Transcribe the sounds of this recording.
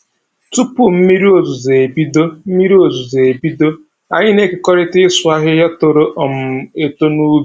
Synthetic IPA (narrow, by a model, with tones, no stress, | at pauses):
tu˦pʊ˨m̩˦mi˦ɾi˦o˨zu˨ze˨e˨bi˦do˦m̩˦mi˦ɾi˦o˨zu˨ze˨e˨bi˦do˦ | a̰˨ɲɪ˦ne˦kɪ˨kɔ˦ɾɪ˦tɪ˦sʊ˨˦a˦ɦɪ˦ɦa˦to˨ɾo˦ʔɔ˨m̩˨e˦to˦nu˦b